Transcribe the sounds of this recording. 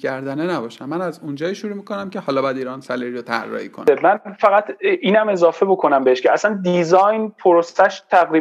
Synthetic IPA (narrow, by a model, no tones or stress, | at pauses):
cʰæɾd̪ænenæbɒʃæmːænæzund͡ʒɒːjiʃuɾuːmikʰonæmcʰehɒːlɒːbɒjæd̪iːɾɒnsæliɾiɾot̪ʰæ̰rːɒ̰ːhiːkʰo̰nmænfæɣæt̪ʰʔiːnæme̞zɒːfe̞bo̞kʰo̞næmbe̞eʃcʰeæsænd̪izɒːjnpʰoɾosæʃt̪ʰæɣɾiː